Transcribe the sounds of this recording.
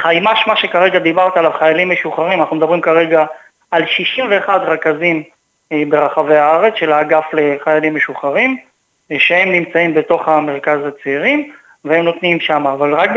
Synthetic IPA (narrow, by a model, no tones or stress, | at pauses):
χajmaʃmaʃe̞kaʁe̞ɡad̪ibaʁt̪alavχajalimːe̞ʃuχaʁimanaχnumed̪abʁimkaʁe̞ɡaː | lʃiʃimve̞ːχad̪ʁekazim | be̞ʁaχave̞aaʁe̞t͡sʃe̞laɡafle̞χajalimːeʃuχaʁim | ʃeemnimt͡saimbe̞t̪o̞χhame̞ʁkazat͡seːʁim | veemno̞t̪nimʃamaːvalʁak̚b